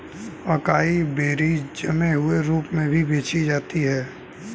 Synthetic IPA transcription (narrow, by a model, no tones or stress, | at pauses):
ɐkaːibeːɾid͡ʒɐmeɦʊeɾuːpmẽbʱibeːt͡ʃid͡ʒaːt̪iɦɛː